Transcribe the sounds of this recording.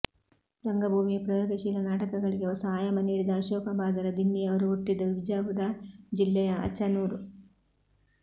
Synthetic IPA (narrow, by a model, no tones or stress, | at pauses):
ɾɐŋɡɐbʱuːmipɾɐjɔːɡɐʃiːlɐnaːʈɐkɐɡɐɭiɡeɔsɐaːjɐmɐniːɽid̪ɐːʃɔːkɐbaːd̪ɐɾɐd̪inːijɐʋɐɾuuʈːid̪ːɐʋibd͡ʒaːɡud̪ad͡ʒilːɛjɐɐ̰t͡ʃːɐnuːɾu